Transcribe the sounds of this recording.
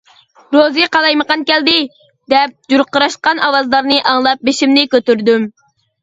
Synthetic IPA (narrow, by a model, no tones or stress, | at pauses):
ɾoziqɑlˠɑjməqɑnkʲɛld̪ɪ | d̪ɛp̚d͡ʒuɾqːəɾɑʃqɑnɑwɑzlˠɑɾnɨʔɑŋlˠɑp̚beʃimnɪkʲøt̪yɾd̪ym